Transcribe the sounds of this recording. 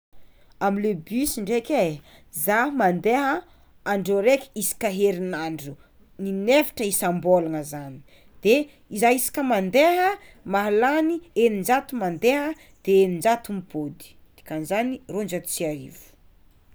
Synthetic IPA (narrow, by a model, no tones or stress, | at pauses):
amilebysiɳɖ͡ʐekʲezamand̪eɦə | aɳɖ͡ʐoɾekʲi̥isi̥kaɦeɾinaɳɖ͡ʐu | ninefi̥ʈ͡ʂəisambolanəzani̥ | d̪̥e | izaisi̥kʲəmand̪eɦə | maɦalanienind͡ʒat̪umand̪eɦə | d̪̥eenind͡ʒat̪umipod̪i̥ | d̪̥i̥kanzanirond͡ʒat̪u̥t͡siaɾḭvu̥